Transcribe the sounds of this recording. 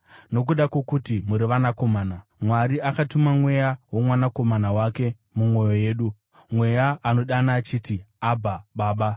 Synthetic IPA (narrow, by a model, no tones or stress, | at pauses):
no̞k̬uɗakokutimuɾiʋanako̞maːnamwaɾiakatumamwe̞jawomwanako̞manawake̞ | mumwo̞jo̞je̞ːɗu | mwe̞jaːno̞ɗanaːt͡ʃiːtiabʱaɓaːɓa